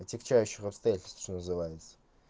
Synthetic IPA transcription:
ɐt̪ʲɪkt͡ɕæjʉɕːɪxɐpst̪ɐjatʲɪlʲst̪ʃt̪onəzɨvajɪt̪sə̥

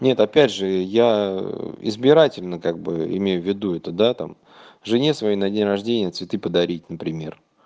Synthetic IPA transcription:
nʲe̞t̪ɐpʲædʲʐɨja | ɪ̰zbʲɪɾatʲɪlʲnəkaɡ̚bɨ̰ɪ̰mʲejʊvʲːɪd̪uɛt̪əd̪at̪a̰m | ʐɨnʲe̞svɐjejnɐdʲenʲrɐʐdʲenʲɪjət̪svʲɪt̪ɨpəd̪ɐɾʲit̚ʲnəpɾʲɪmʲe̞̰r

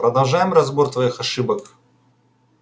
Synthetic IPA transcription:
pɾɐd̪ɐlˠʐajɪmrɐzbo̞rt̪vɐixɐʂɨbək

